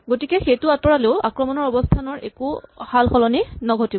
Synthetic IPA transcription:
ɡotikɛxejtuatɔɹaleʊakɹɔmɔnɔɹɔbɔstʰanɔɹɛkuhalxɔlɔninɔɡʱɔtibɔ

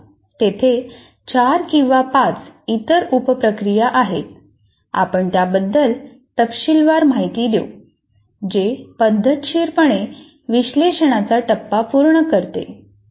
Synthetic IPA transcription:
t̪et̪ʰe | t͡ɕaɾkĩw̃ʋapat͡sit̪əɾupəpɾəkɾijaʔaɦet̪̚ | a̰pəɳt̪jabəd̪ʱːəl | t̪əpɕilʋaɾm̤aɦit̪iːd̪jo̰ | d͡ʑepəd̪ʱːət̪ɕiːɾpəɳe | ʋiɕleɕəɽ̃at͡saʈəpːapuɾɳəkəɾt̪ḛ

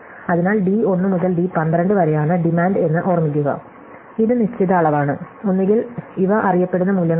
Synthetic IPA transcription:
ɐðinaːɭɖio̞nːɨmuðɐlɖipɐnd̪rɐɳɖɨʋɐɾejaːɳɨɖimaːɳɖe̞nːɨʔorɐmːik̬ʲːuɣɐ̰ | iðɨniɕt͡ɕiðɐːɭɐʋaːɳɨ | onːeŋɡiliʋɐʔɐrijɐpːe̞ɽunːɐmuljɐŋː

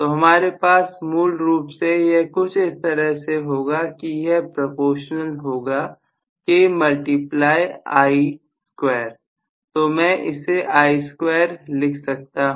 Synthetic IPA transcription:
t̪oːɦɐmaːɾepaːsmuːlɾuːpsejekʊt͡ʃʰɪst̪əɾəɦseɦoːɡakijɛpɾopoːʃnəlɦoːɡa | kemɐlʈiplaːjeaːi | skweːɾ | t̪oːmɛ̃ʔɪseʔaːiskweːəɾlɪkʰsɐk̚t̪aɦ

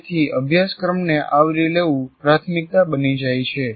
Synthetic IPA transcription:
t̪ʰiəbʱjaskɾəmneʔʔaʋɾileʋũpɾat̪ʰmik̚t̪abənid͡ʒajt͡ʃʰe

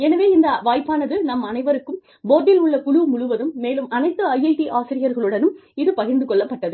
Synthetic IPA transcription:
ɛnɐʋeːɪnd̪ɐʋaːjpːaːnɐðɯnɐmːɐnɐɪʋɐɾɯkːɯm | boːðɪlʊɭːɐkʊɻumʊɻʊʋɐðɯmːeːlɯmɐnɐɪt̪ːɯɐjɐɪʈiʔaːsɪɾɪjɐɾɣɐɭɯɽɐnɯmɪðɯpɐɣɪɾnd̪ɯkɔɭːɐpːɐʈːɐðɯ

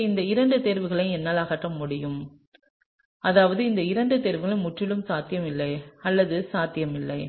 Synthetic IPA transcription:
ɪnd̪ɐɪɾɐɳɖɯt̪ɛɾʋɯɣɐɭɐɪɛnːɐlaːɣɐʈrɐmːʊɽɪjɯm | ɐðaːʋɐðɯɪnd̪ɐɪɾɐɳɖɯt̪ɛɾʋɯɣɐɭɐmʊʈrɪɭɯmsaːt̪ɪjɐmɪlːɐɪɐlːɐðɯsaːt̪ɪjɐmɪlːɐɪ

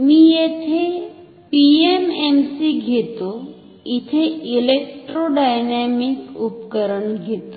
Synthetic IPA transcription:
mĩjet̪ʰe | piememsiɡʱet̪o | it̪ʰeilek̚ʈɾoɖajnemikupkəɾənɡʱet̪o

